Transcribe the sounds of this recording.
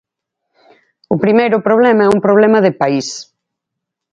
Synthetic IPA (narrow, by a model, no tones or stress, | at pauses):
ʊpɾimejɾʊpɾoβ̞lɛmaɛumpɾoβ̞lɛmɐðɪpais